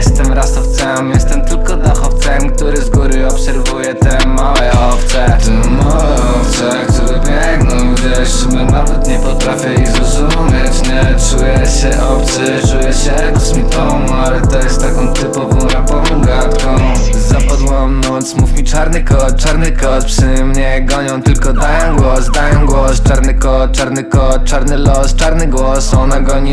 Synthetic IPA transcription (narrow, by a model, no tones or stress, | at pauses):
jɛst̪ɛmɾasɔft̪sɛmjɛst̪ɛmt̪ɘlkɔd̪ɔxɔft̪sɛmk̚t̪uɾɘzɡuɾɘɔpsɛɾvujɛt̪ɛmawɛɔft̪sɛt̪ɛmawɛɛɔft̪sɛkt̪uɾɛbʲjɛŋɡnɔ̃w̃d͡ʑɛ | ɛmɛnavɛt̪ɲɛpɔt̪ɾafʲjɛiɣzɾɔzumʲet͡ɕɲɛt͡ʂujɛɕɛʔɔft̪sɛ | t͡ʂujɛɕɛ | k̪smʲit̪ɔ | malɛt̪ɔjɛst̪ːakɔ̃w̃t̪ɘpɔvɔ̃w̃ɾapɔɾbɔ̃ɡat̪kɔ̃w̃zapɔd̪wɔ̃mnɔt̪smufʲmʲit͡ʂaɾnɘkɔt͡ʂaɾnɨkɔt̪̚pʂɘmɲɛɡɔɲɔ̃w̃t̪ɘlkɔd̪ajɔ̃w̃ɡwɔsd̪ajɔ̃w̃ɡwɔst͡ʂaɾnɨkɔt͡ʂaɾnɘkɔt͡ʂaɾnɘlɔst͡ʂaɾnɘɡwɔsɔnaɡɔɲ